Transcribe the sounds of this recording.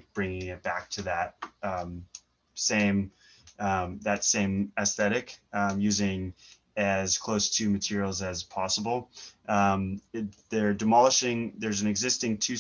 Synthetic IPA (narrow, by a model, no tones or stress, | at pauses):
b̥ɹɪ̃ŋɪ̃ŋɨt̚b̥æk̚tʰɨðət̚ʌ̃ | sẽɪ̃m | ʌ̃ðɨtsẽɪ̃mɨsθɛɾɨkjʉzɪ̃ŋ | ɨz̥kʰl̥oʊstʰɨmɨtʰɪɹil̩ˠzɨz̥pʰɑsəbl̩ˠʔʌ̃mðə˞dɨmɑlˠəʃɪ̃ŋðə˞z̃n̩ɨɡzɪstɪ̃ŋtʰʉ